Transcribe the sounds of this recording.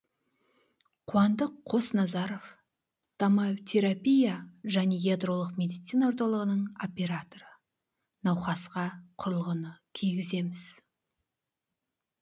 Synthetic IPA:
qʰuwɑnd̪əqʰːo̞snɑzɑɾo̞v | d̪̥ɑmɑt̪ʲʰe̞ɾapʲijaʒæne̞jʲed̪ro̞lˠəqmʲe̞d̪ijt̪sijnaoɾt̪olˠəʁənəɴo̞pʲe̞ɾat̪o̞ɾə | nɑwχɑsqɑqʰʊɾəlˠʁənəkʲʰijɡʲɪze̞mɪz̥

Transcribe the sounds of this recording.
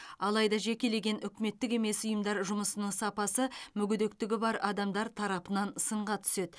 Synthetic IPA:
ɑlˠɑjd̪ɑʒe̞kʲe̞le̞ɡʲe̞nʏkʲɪme̞t̪ːɪke̞me̞sʊjəmd̪ɑɾʒʊməsənəŋsɑpɑsəmʏɡʲʏd̪ek̚t̪ɪɡʲɪbɑɾɑd̪ɑmd̪ɑɾt̪ʰɑɾɑpənɑnsəɴʁɑt̪ʰʏ̥se̞d̪̥

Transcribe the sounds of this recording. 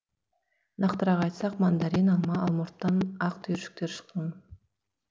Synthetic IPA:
nɑqt̪əɾɑʁɑjt̪sɑqmand̪aɾinɑlˠmɑːlˠmoɾt̪ːɑnɑqt̪ʰyjɾʃʏ̥k̚t̪eɾʃə̥qːɑn

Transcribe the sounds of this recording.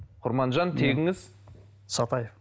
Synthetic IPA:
qʰʊɾmɑnʒɑnt̪ʰeɡʲɪŋɪz̥ | sɑt̪ɑjef

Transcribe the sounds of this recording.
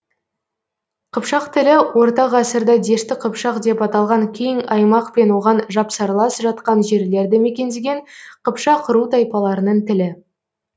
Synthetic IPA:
qʰəpʃɑqt̪ʰɪlɪwo̞ɾt̪ɑʁɑsəɾd̪ɑd̪e̞ʃt̪ɪqʰəpʃɑqd̪e̞pɑt̪ɑlˠʁɑŋkʲʰe̞jɪŋɑjmɑqpe̞nwo̞ʁɑnʒɑpsɑɾlˠɑsʒɑt̪̚qɑnʒe̞ɾle̞ɾd̪ɪme̞kʲe̞nd̪eɡʲe̞ɴqʰəpʃɑqʰəɾut̪ʰɑjpɑlˠɑɾənəɴt̪ʰɪlɪ

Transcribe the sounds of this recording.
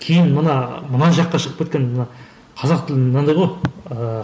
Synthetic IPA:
kʲʰejɪnmənɑmənɑnʒɑqːɑʃəʁəpkʰʲe̞t̪kʲenmənɑ | qʰɑzɑq̚t̪ʰɪlnɑnd̪ɑjʁojə

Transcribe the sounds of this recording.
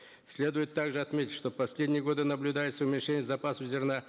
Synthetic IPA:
sʲlʲed̪ʊjɪt̪ːaɡʐɨɐt̪mʲetʲɪ̥tʲʂt̪o̞pɐsʲlʲedʲnʲɪjəɡo̞d̪ɨnəblʲʊd̪ajɪt̪səʊmʲɪnʲʂenʲɪjəzɐpasəvzʲɪrna

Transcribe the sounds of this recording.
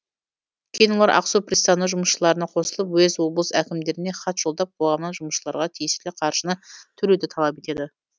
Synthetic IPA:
kʲʰejnwolˠɑɾʔɑ̰qsuprist̪ɑnːəʒʊməsʃəlˠɑɾənɑqʰo̞səlˠəpwɵzwo̞blˠəsækʲɪmd̪e̞ɾɪne̞χɑt̪ʒ̥o̞lˠd̪ɑp̚qʰolˠʁɑmnɑnʒʊməʃlˠɑ̰ɾʁɑt̪ʰijɪslɪqʰɑɾʃənət̪ʰʏɾed̪ɪt̪ʰɑlˠɑpe̞t̪e̞d̪ɪ

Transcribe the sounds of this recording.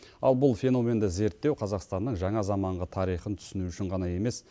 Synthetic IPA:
ɑlˠbʊlˠfʲe̞no̞mʲe̞nd̪ɪze̞ɾt̪ːe̞wqʰɑzɑqst̪ɑnːəɴʒɑɴɑzɑmɑɴʁət̪ʰɑɾijχənt̪ʰʏ̥sɪnuʏʃɪɴʁɑnɑje̞me̞s

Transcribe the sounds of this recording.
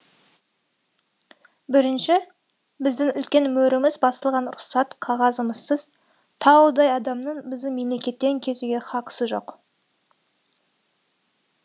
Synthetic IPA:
bɪɾɪnʃɪ | bɪzd̪ɪŋʏlkʲe̞nmɵɾɪmɪzbɑsəlˠʁɑnɾʊχsɑt̪qʰɑʁɑzəməzsəz | t̪ʰɑwəd̪ɑjɑd̪ɑmnəɴbɪzd̪ɪme̞mle̞kʲe̞t̪ːe̞ŋkʲʰe̞t̪uɡʲe̞χɑqə̥səʒo̞̰q

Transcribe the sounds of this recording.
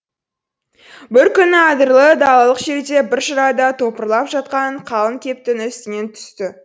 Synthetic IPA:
bɪɾkʲʰʏnɪɑd̪əɾlˠəd̪ɑlˠɑlˠəqʒe̞ɾd̪e̞bɪɾʃəɾɑd̪ɑt̪ʰo̞pəɾlˠɑpʒɑt̪̚qɑɴqʰɑlˠəŋkʲʰe̞p̚t̪ɪnʏst̪ɪne̞nt̪ʰʏ̥st̪ɪ

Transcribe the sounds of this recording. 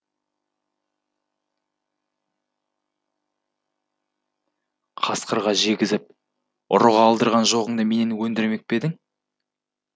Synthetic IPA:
qʰɑsqəɾʁɑʒe̞ɡʲɪzɪp̚ | ʊ̰ɾʊʁɑːlˠd̪əɾʁɑnʒo̞ʁəɴd̪əme̞nenwɵnd̪ɪɾme̞k̚pe̞d̪ɪŋ

